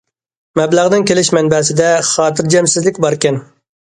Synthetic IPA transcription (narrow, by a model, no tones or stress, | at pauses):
mɛblæʁd̪ɪŋkʲelɪʃmɛnbɛsɪd̪ɛχɑːt̪ɪɾd͡ʒɛmsɪzlɪkʲbɑɾkʲɛn